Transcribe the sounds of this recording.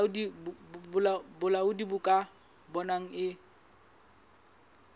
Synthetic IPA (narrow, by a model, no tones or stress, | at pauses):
ʊdibʊlabʊlaʊdibʊkʼa | bɔnaŋ̩ɪ